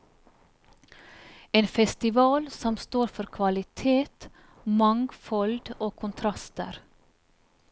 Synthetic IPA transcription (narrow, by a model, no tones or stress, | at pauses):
eːnfɛst̪ɪʋɑːlsɔmst̪oːɾfɔɾkʰʋɑlɪt̪ʰeːt̪ | mɑŋɡfɔld̪oːkʰʊnt̪ʰɾɑst̪ə̰ɾ